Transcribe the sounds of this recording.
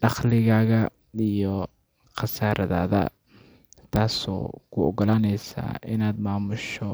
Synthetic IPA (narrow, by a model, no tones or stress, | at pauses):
ʔɑχlɪɣaːɣɐ | ijɔ | qɑsaːɾʔɐða̰ːðɐ̰ | t̪ʰaːsɔ̰ːkʰʊɔ̰ɡɔlaːnɛjsa̰ːɪnaːd̪maːmʊʃɔ